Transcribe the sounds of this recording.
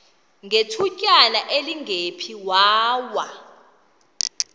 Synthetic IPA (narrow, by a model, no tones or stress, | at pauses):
ŋɡʱetʰucʼalaʔeliŋɡʱepʰiwaːwa